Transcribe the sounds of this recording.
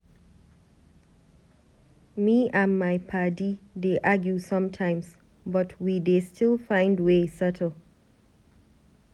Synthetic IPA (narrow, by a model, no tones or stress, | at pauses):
miãnmaɪpʰadideʔaɡjusʌ̃mtʰãɪ̃ms | bʌtʰwidestʰɪlfãɪ̃ndwesɛtʰəl̩ˠ